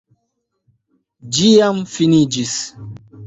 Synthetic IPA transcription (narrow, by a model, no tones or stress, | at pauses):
d͡ʒijamfinid͡ʒis